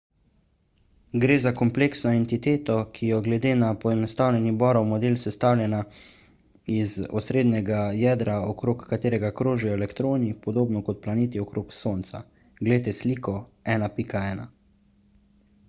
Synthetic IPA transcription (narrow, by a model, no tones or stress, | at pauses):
ɡɾeːzakɔmpleksnɔɛnt̪it̪eːt̪ɔkʰijɔɡlɛd̪eːnapɔɛnɔst̪aːwlʲɛnibɔːɾɔwmɔd̪eːlsɛst̪awlʲjɛna | izɔ̰sɾeːd̪nɛɡajɛːd̪ɾaɔkɾoːkːat̪eːɾɛɡakɾoːʒɛjɔɛlɛkt̪ɾoːnipɔd̪oːbnɔkɔt̪̚planeːt̪iɔkɾoːksoːnt̪sa̰ | ɡleːt̪ɛsliːkɔɛːnapikaɛːna̰